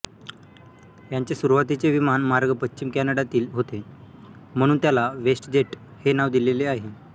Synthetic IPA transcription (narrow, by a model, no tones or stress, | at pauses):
jaɲt͡sesuɾuʋat̪it͡seʋimanmaɾɡəpətːɕimkænaɽat̪iːlɦot̪e | m̤əɽ̃uːnt̪jalaʋesʈd͡ʑeʈ | henaʋd̪ileleaɦe